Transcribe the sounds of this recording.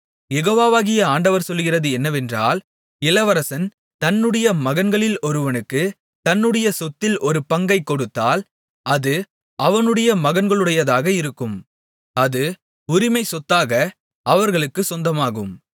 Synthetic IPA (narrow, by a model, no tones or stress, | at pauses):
jɛɣoːʋaːʋaːɣɪjɐaːɳɖɐʋɐɾsɔlːɣɪrɐðɯɛnːɐʋɛndra̰ːl | ɪlɐʋɐɾɐsɐn | t̪ɐnːɯɽɐjɐmɐɣɐnɡɐɭɪlɔɾɯʋɐnɯkːɯ | t̪ɐnːɯɽɐjɐsɔt̪ːɪlʔɔɾɯpɐŋɡɐɪkːɔɽɯt̪ːaːl | ɐðɯ | ʔɐʋɐnɯɽɐjɐmɐɣɐnɡɐɭɯɽɐjɐðaːɣɐɪɾɯkːɯm | ɐðɯ | ʊɾɪmɐɪsɔt̪ːaːɣɐ | ɐʋɐɾɣɐɭɯkːɯsɔnd̪ɐmaːɣɯ̰m